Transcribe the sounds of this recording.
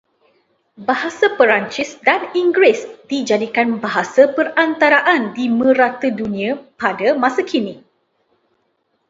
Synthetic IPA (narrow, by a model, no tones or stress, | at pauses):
baɦasapəɾant͡ʃisdaniŋɡɾɪsd̥id͡ʒadikanbaɦasapərant̪aɾaʔandimə̃ɾat̪ədunĩãpadamãsakʰini